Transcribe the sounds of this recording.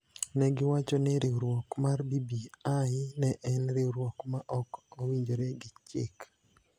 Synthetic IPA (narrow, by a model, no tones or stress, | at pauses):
nɛɡɪwat͡ʃɔnɛɾʔeɾwɔkmarbibiaɪnɛʔɛnɾeɾwɔkmaʔɔkowiɲd͡ʒoɾɛɡɪt͡ʃɪ̰k